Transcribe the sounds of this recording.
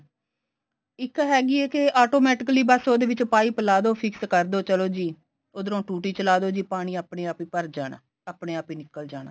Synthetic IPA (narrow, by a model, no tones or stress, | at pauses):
ɪkːɦɛːɡiːɛːkeʔaːʈoːmɛːʈɪkliːbəsoːd̪eːʋɪt͡ʃpaːiːpəlaːd̪oːpʰɪkskəɾd̪oːt͡ʃəloːd͡ʒiː | oːd̪əɾõːʈuːʈiːt͡ʃəlaːd̪oːd͡ʒiːpaːɽ̃iːaːpɳeːaːpiːpəɾd͡ʒaːna̰ː | aːpneːaːpiːnɪkːəld͡ʒaːna̰ː